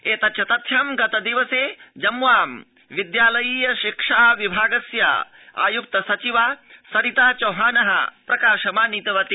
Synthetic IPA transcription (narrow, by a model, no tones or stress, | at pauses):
eːt̪ɐt̪ʃʰɐt̪ɐt̪ʰjɐmɡɐt̪ɐd̪iʋɐseːd͡ʒɐmʋaːm | ʋid̪jaːlɐjiːjɐʃikʂaːʋibʱaːɡɐsja̰ː | a̰ːjuk̚t̪ɐsɐt͡ʃiʋaːsɐɾit̪aːt͡ʃɐːɦaːnɐɦɐ̰pɾɐkaːʃɐmaːnit̪ɐʋɐt̪i